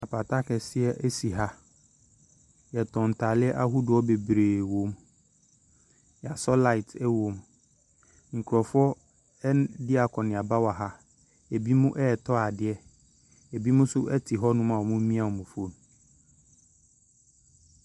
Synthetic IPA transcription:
a˨pʰa˨tʰa˦kʰɛ˨sɪ˦ɛ˦ʔɛ˦si˨ɦa˦ | jɛ˨tʰɔ̃˨n̩˨tʰa˨lɪ˦ɛ˦ʔa˦ɦu˦dʊ˨ɔ˦be˨bɾeː˨wo˨˦m | ja˨sɔ˦la˦ɪ˨tʰɛ˦wo˨m | ŋ̩˨kʰu˨ɾɔ˨fɔ˦ | ɛ˦ndɪ˦a˨kʰɔ̃˨nɪ̃˨a˨ba˦wa˨ɦa˦ | ɛ˨bi˦mũ˦ʔɛː˦˨tʰɔ˦a˨dɪ˦ɛ˦ | ɛ˨bi˦mũ˦sʊ˦ʔɛ˦tʰi˨ɦɔ˦nʊ̃˦mã˨wɔ˨mũ˦mĩ˦a˨wɔ˨mʊ̃˨fo˨n˨

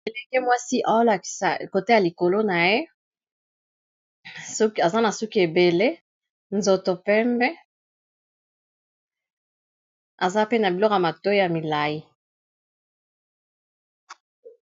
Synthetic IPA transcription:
e˨le˨kɛ˦mwa˦si˦ʔa˨jo˦la˨ki̥˨sa˨ko˨te˦ja˨li˨ko˨lo˦na˨je˦ | ska˨za˦na˨su˦ki˦e˨be˨le˦ | nzo˨to˨pɛ˦mbɛ˦ | a˨za˦pe˦na˨bi˨lɔ˦ka˨ma˨to˦i˦ja˨mi˨la˨ji˦

